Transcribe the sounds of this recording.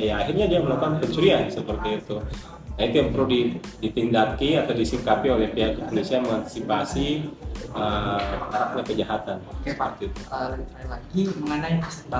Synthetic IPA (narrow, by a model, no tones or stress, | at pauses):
jaːɦirɲadiaməlokaankəɲt͡ʃuɾiansəpərt̪iːt̪u | dait̪ujaŋtp̪əɾludidit̪indakiat̪awdisiŋkapiolɛhpiɦakpolisiaməŋant̪i̥sipasi | əaɾat̚ɲakəd͡ʒaɦat̪ansəərt̪iit̪ualaɡiməŋənaipasa